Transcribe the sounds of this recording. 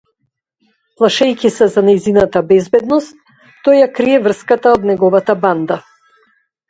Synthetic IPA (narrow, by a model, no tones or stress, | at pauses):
plˠaʃɛjkʲisɛzanajzinat̪abɛzbɛd̪nɔst̪̚ː | ɔjjakɾiɛvr̩skat̪aod̪nɛɡɔvat̪aband̪a